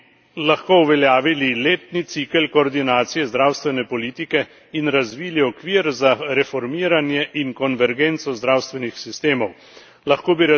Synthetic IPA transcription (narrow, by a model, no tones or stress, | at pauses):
laxkouʋɛljaːʋilileːt̪nit̪sikəlkɔːɾd̪inaːt̪sijɛzd̪ɾaːwst̪ʋɛnɛpɔliːt̪ikɛ | inɾazʋiːliɔkʋiːɾzaɾɛfɔɾmiːɾanjɛʔiŋkɔnʋɛɾɡeːnt̪sɔzd̪ɾaːwst̪ʋɛnixsist̪eːmɔw | laxkoːbiɾ